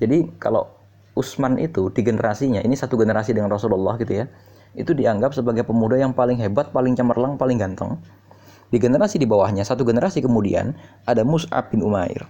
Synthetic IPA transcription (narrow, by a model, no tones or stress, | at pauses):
d͡ʒadika̰la̰ | usmanʔḭt̪udiɡənəɾʔasiɲaʔinisat̪uɡənəɾasidəŋanrɔsululːa̰hɡit̪uja | it̪udiaŋɡap̚səbaɡajpəmudajaŋpalɪŋɦebat̪̚palɪŋt͡ʃəmərlaŋpalɪŋɡant̪ə̰ŋ | d̥iɡənəɾasidibawahɲasat̪uɡənəɾʔasikəmudḭa̰nʔadamusa̰p̚ːɪnumaɪ̰r